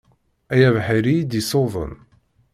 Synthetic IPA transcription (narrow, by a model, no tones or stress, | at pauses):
æjævħəɾid̪isoðˤə̰n